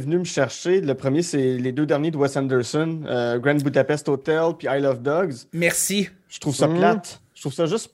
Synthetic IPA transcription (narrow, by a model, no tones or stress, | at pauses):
vnyməʃɛʁʃeləpχəmjesɛled̪ød̪ɛʁnjed̪əwɛst̪ɛ̃nd̪ɛɹsɔnøɡʁɛ̃nbud̪apɛst̪oːt̪ɛlpiajlɔvd̪ɔɡzmɛʁsi | ʒ̥ə̥t̪χuv̥saplat̪ət̪ʁuvsaʒʏst